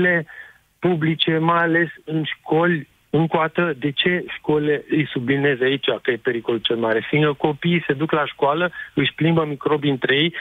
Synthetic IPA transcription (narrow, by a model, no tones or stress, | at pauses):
le | publit͡ʃe̞majale̞sɨnʃko̞lʲ | ɨŋkwat̪əd̪e̞t͡ʃe̞ʃko̞leɨjsublineezait͡ʃakəjepe̞ɾiko̞lut͡ʃelmaɾe̞fiŋkəko̞piːse̞d̪uklaʃkoaləɨʃʲplimbəmikɾo̞bint̪ɾe̞j